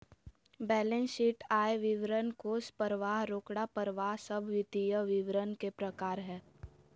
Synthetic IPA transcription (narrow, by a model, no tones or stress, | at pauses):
bɛːlẽnsiːʈaːeʋɪʋɾənkoːspəɾəʋaːɦɾoːkɽapəɾʋaːɦsəbʱʋɪt̪ijəʋɪʋɾənkepɾəkaːɾɦɛː